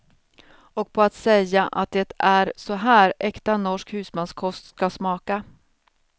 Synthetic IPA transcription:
ɔk̚pʰɔat̪sɛjːaʔa̰t̪̚d̪ɛt̪æɾsɔɦæːɾɛkt̪anɔʂkhʉ̟ːsmɛnskʰɔst̪skasmɑːka

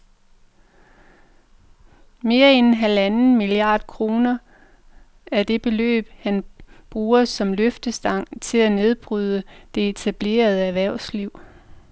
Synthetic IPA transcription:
me̝ːɐennɦælænn̩miliɑ̰̈ːd̥̚kʰʁo̝ːnɐ | æɐd̥e̝b̥e̝lø̰ːb̥hænb̥ʁuːɐsɒ̽mløfd̥əsd̥ɑ̈ŋ̰t͡sʰe̝læne̝ð̞ˠb̥ʁyð̞ˠəd̥e̝et͡sʰæb̥le̝̰ːɐð̞ˠəæʋæɐ̰ʊ̰sliʊ̰

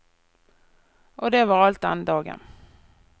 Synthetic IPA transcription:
ʔɔd̪ɛvɑɾalt̪̚a̰nd̪ɑːɡə̰n

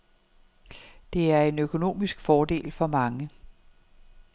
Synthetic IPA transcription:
d̥e̝æɐe̝nøkʰo̝no̝̰ːmisɡ̥fɒːd̥e̝̰ːlfɒ̽mɑ̈ŋə

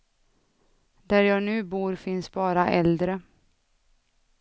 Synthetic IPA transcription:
d̪æɾjɑːɡnʉ̟ːbuːɾfɪnsbɑːɾaʔɛld̪ɾə

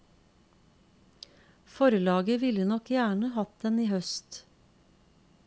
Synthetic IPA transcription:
fɔɾəlɑːɡəʋɪlənɔkjæːɳəhɑt̪̚d̪ɛniːhœst̪

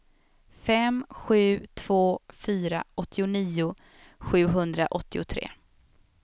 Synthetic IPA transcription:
fɛmɧʉ̟ːt̪ʰv̥oːfyːɾa̰ʔɔt̪ʰːɪʊniːʊ | ɧʉ̟ːɦɵnd̪ɾaʔɔt̪ːɪʊt̪ʰɾḛː

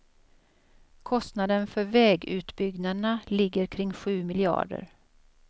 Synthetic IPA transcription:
kʰɔst̪nad̪ənfœɾvɛːɡʉ̟ːt̪bʏɡnanalɪɡːəɾkʰɾɪŋːɧʉ̟ːmɪlɪɑ̰ːɖə̰ɾ

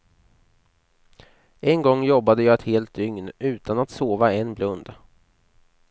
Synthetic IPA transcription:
ʔɛnɡɔŋːjɔbːad̪əjɑːɛt̪heːlt̪̚d̪ʏŋnʉ̟ːt̪anat̪soːvaɛnblɵnd̪

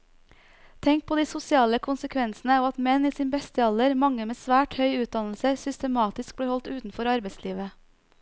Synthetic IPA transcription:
t̪ʰɛŋk̚pʰoːd̪iːsʊsɪɑːləkʰʊnsəkʰʋɛnsn̩əoːɑt̪mɛniːsiːnbɛst̪əɑld̪əɾmɑŋəmeːsʋæːʈhœʏʉːt̪̚d̪ɑnl̩səsʏst̪əmɑːt̪ɪsk̚b̪iːɾhɔlt̪ʉːt̪n̩fɔɾɑɾbɛɪsliːʋə

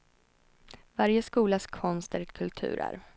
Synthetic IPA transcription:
vaɾjəskuːlaskʰɔnst̪əɾkʰɵlt̪ʰʉ̟̰ːɾa̰ɾ

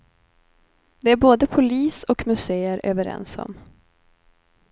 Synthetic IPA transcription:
d̪ɛæɾboːd̪əpʰʊliːsɔkmʉseːəɾʔø̰ːvəɾɛ̰nsɔ̰m

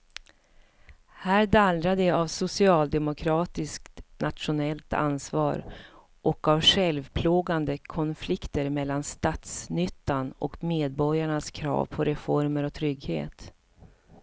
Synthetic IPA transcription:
hæːɾd̪ald̪ɾad̪ɛavsʊsɪɑːld̪ɛmʊkʰɾɑːt̪ɪskt̪nʔat̪ʂʊnɛlt̪a̰nsvɑːɾ | ʔɔkavɧɛlvpʰloːɡand̪əkʰɔnflɪkt̪əɾmɛlːanst̪at̪snʏt̪ːanɔ̰kmeːd̪̚bɔɾjaɳaskʰɾɑ̰ːvpʰɔɾɛfɔɾməɾɔt̪ʰɾʏɡhḛːt̪

